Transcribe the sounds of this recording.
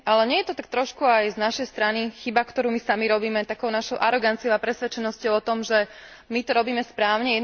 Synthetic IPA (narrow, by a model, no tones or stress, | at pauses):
ʔalɛɲɛjɛt̪ɔt̪ak̚t̪ɾɔʃkuajznaʃɛjst̪ɾanixibakt̪ɔɾuːmisamiɾɔbiːmɛt̪akɔʊnaʃɔʊʔaɾɔɡant͡siɔʊapɾɛsʋɛt͡ʃɛnɔscɔʊɔt̪ɔmʒɛ | mit̪ɔɾɔbiːmɛspɾaːʊɲɛjɛ